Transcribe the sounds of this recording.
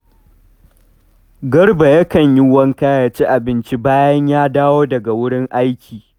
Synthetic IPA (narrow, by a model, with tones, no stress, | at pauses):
ɡɐ˦ɽba˨jɐ˦kɐ˨ɲji˦wɐ˦ŋkaː˦jaː˨t͡ʃi˦ʔa˨bɪ˦nt͡ʃi˦baː˦jɐ˦ɲjaː˦daː˦woː˦dɐ˨ɡa˨wʊ˦ɽɪ˦ŋʔa˦jkʲʰiː˨